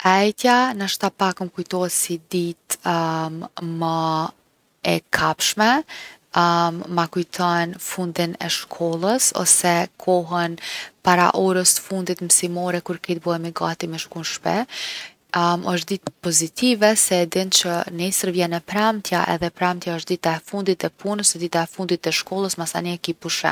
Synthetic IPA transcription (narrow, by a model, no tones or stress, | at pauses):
ɛjt̪janəʃt̪apakəmkujt̪ɔɛsid̪it̪ | mə | ɛkʰapʃmɛ | mmakujt̪ʰɔnfund̪inɛ̰ʃkʰɔlˠəsɔ̰sɛkʰɔɦənpaɾa̰ʔɔɾəst̪ə̥fund̪it̪msimɔɾɛkuɾkɛt̪̚bɔɛmiɡat̪imɛʃkunʃpɛ | məʃ̬t̪̚d̪it̪ɛ̥pɔzit̪ʰivɛsɛd̪ɛnt͡ʃənɛsəɾvjɛnɛpɾamt̪ʰjaʔɛ̰ðɛpɾamt̪jaəʃ̚d̪it̪aɛfund̪it̪ɛpʰunəsɛd̪it̪aɛfund̪it̪ɛʃkɔlˠəsmasa̰niɛkipuʃɛ̰